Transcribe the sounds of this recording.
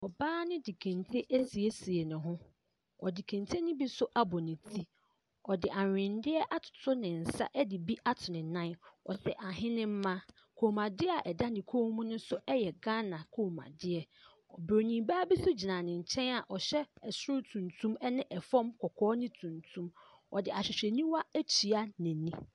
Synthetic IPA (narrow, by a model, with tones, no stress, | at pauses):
ɔ˨baː˦nɪ̃˦di˨kʰæ̃˨ntʰe˦ʔæ˦si˨e˦si˨e˨nʊ̃˨ɦʊ̃˦ | ɔ˨di˨kʰæ̃˨ntʰe˦nɪ̃˦bi˦sʊ˦ʔa˦bɔ˨nɪ̃˨tʰi˦ | ɔ˨dɪ˨ʔa˨ɪ̃˨ndɪ˦ɛ˦ʔa˦tʰʊ̥˨tʰʊ˦nɪ̃˨n̩˨sa̰˦ʔɛ˦dɪ˨bi˦ʔa˦tʰʊ˨nɪ̃˨nã˦nɔ̰˨sɛ˨ʔa˨ɦɪ̃˦nɪ̃˦m̩˦mã˦ | kʰo˨mã˨dɪ˦a˨ʔɛ˨da˦dɪ̃˨kʰo˦mũ˦nʊ̃˦sʊ˦ɛ˦jɛ˨ɡã˦nã˨kʰo˨mã̰˨dɪ˦ɛ˨ | ɔ˨bɾo˨nĩ˨baː˦bi˦sʊ˦d͡ʑi˨nã˨nɪ̃˨ɲ̩˨t͡ɕʰɛ̃˦na˨ʔɔ˨ɕɛ˦ɛ˨sʊ˦ʊ˦tʰũ˨ntʰũ˦mɛ˦nɪ̃˦ʔɛ˨fɔ̃˦mkʰɔ˨kʰɔː˦nɪ̃˦tʰũ˨ntʰũ˦m | ɔ̰˨dɪ˨a˨ɕᶣɪ˨ɕᶣɛ˨nĩ˦wa˦æ˦t͡ɕʰi˨a˦nɪ̃˨nĩ˦